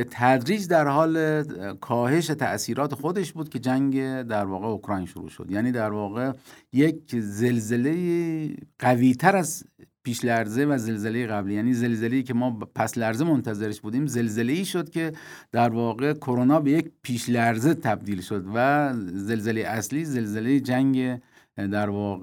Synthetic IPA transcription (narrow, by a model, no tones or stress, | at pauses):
bet̪ʰæd̪ɾiːd͡ʒd̪æɾhɒːlekʰɒːhe̞ʃæt̪ʰæ̰ʔsiːɾɒːt̪ʰe̞xo̞d̪e̞ʃbuːd̪̚kʲe̞d͡ʒæŋɡed̪æɾvɒːɣeokʰɾɒːjnʃuɾṵːʃo̰d̪jæːniːd̪æɾvɒːɣe̞jekze̞lzelejiɢæviːt̪ʰæɾæzpʰiːʃlæɾzevæze̞lzele̞jeɣæbliːjæːniːze̞lzelejiːkʰemɒːpʰæslæɾzemont̪ʰæzeɾeʃbuːd̪iːmze̞lzeleiːʃo̞d̪kʲe̞d̪̥æɾvɒːɣe̞kʰoɾonɒːbejecpʰiːʃlæɾzet̪ʰæb̚d̪iːlʃo̞d̪væzelzelejeʔæsliːze̞lzele̞jed͡ʒæŋɡe | d̪æɾvɒːɣ